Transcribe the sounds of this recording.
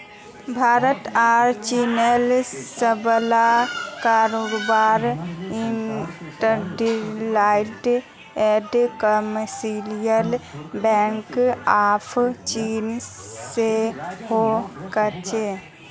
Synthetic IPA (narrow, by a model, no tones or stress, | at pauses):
bʱaɾət̪aɾt͡ʃinelsəblakaɾoɡbaɾinʈəɾɖilaɪʈ | eɖkəməsilijəlbɛ̃ŋkapʰt͡ʃinsehokət͡ʃʰe